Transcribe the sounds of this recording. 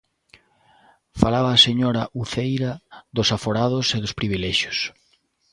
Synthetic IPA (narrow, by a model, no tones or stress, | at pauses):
falaβɐːseɲoɾɐʔuθejɾɐðʊsafoɾaðʊseðʊspɾiβilɛʃjʊ̥s